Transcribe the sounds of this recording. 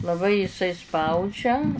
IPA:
lˠɐˈbɐɪ ɪˈsɐɪ ˈspɐʊd͡ʒʲɛ

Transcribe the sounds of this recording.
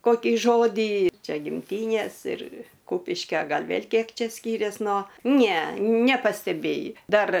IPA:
koːˈkʲiː ˈʒoːdʲiː ˈt͡ʃʲɛ ɡʲɪmʲˈtʲiːnʲeːs ɪr ˈkuːpʲɪʃʲkʲoː ˈɡɐlʲ ˈʋʲeːlʲ ˈkʲiɛk ˈt͡ʃʲɛ ˈsʲkʲiːrʲeːs noː nʲɛ nʲɛpɐsʲtʲɛˈbʲeːjɪ ˈdɐr

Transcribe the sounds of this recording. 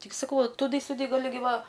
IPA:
ˈtʲɪk sɐˈkɐʊ ʋɐ tʊˈdɨ sʲʊˈdɨ ɡɐˈlʲɪ ˈɡʲɪ ˈʋɐ

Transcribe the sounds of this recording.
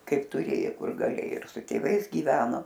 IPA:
ˈkɐɪp tʊˈrʲeːjoː ˈkʊr ɡɐˈlʲeːoː ɪr sʊ tʲeːˈʋɐɪs ɡʲiːˈʋʲæːnoː

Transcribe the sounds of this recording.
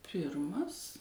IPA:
ˈpʲɪrmɐs

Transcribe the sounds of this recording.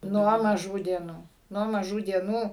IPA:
ˈnuɔ mɐˈʒuː dʲiɛˈnuː ˈnuɔ mɐˈʒuː dʲiɛˈnuː

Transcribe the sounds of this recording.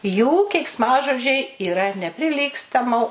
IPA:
juː kʲɛɪksˈmɑːʒoːd͡ʒʲɛɪ iːˈrɐ nʲɛpʲrʲɪˈlʲiːkstɐmoː

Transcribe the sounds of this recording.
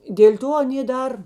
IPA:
dʲeːlʲ ˈtoː ɐˈnʲeː ˈdɐr

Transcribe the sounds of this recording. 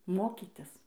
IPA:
ˈmoːkʲɪtʲɪs

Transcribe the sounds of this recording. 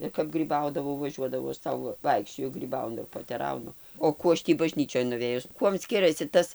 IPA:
ɪr kɐp ˈɡrʲiːbɐʊdɐʋɐʊ ʋɐˈʒʲuɔdɐʋɐʊ ɐʃ ˈsɐʊ ˈʋɐɪkʃʲt͡ʃʲoːjʊ ɡrʲiːˈbɐʊnʊ ɪr poːtʲɛˈrɐʊnʊ oː ˈkuː ɐʃ ˈtʲiː bɐˈʒʲnʲiːt͡ʃʲoːj nʊˈʋʲeːjʊs ˈkuɔm ˈsʲkʲɪrɐsʲɪ ˈtɐs

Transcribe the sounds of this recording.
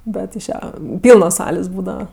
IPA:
ˈbʲɛt ɪʃ ˈjɛ ˈpʲiːlˠnoːs ˈsɑːlʲeːs ˈbuːdɐʋɐ

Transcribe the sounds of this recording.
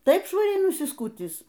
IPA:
ˈtɐɪp ʃʋɐˈrʲɛɪ nʊsʲɪˈskʊtʲiːs

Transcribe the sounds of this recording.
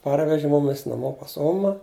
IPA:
ˈpɐrʲʋʲɛʒʲɪ ˈmʊmʲɪs nɐˈmoː pɐs ˈoːmɐ

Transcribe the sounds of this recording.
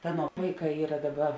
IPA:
ˈɑːˌnuɔ ˈʋɐɪˌkɑː ˈiːrɐ ˈdɑːˌbɐ

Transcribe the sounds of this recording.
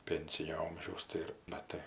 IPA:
ˈpʲɛnʲsʲɪnʲoː ˈoːmʲʒʲɛʊs ˈtɐɪ ɪr mɐˈtɐɪ

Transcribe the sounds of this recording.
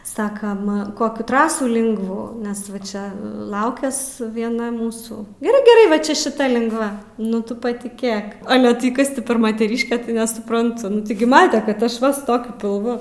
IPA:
ˈsɑːkɐm ˈkoːkʲuː ˈtrɑːsuː ˈlʲɪŋɡʋuː ˈnʲɛs ʋɐ ˈt͡ʃʲɛ ˈlˠɐʊkʲɛs ʋʲiɛˈnɐ ˈmuːsuː ɡʲɛˈrɐɪ ɡʲɛˈrɐɪ ʋɐ ˈt͡ʃʲɛ ʃʲɪˈtɐ lʲɪŋɡˈʋɐ ˈnʊ ˈtʊ pɐtʲɪˈkʲeːk ˈɑːlʲɛ tɐɪ ˈkɐs tʲɪ pʲɛr mɐtʲɛˈrʲɪʃʲkʲɛ tɐɪ nʲɛsʊˈprɐntʊ ˈnʊ tʲɪɡʲɪ ˈmɑːtʲɛ ˈkɐt ˈɑːʃˈʋɐ sʊ ˈtoːkʲʊ pʲɪlˠˈʋʊ

